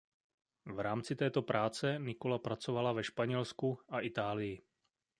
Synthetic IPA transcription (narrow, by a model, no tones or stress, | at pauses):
vɾaːmt͡sɪt̪ɛːt̪o̞pɾʔaːt͡sɛnɪko̞lapɾat͡so̞valavɛʃpaɲɛlskuʔaʔɪt̪aːlɪjɪ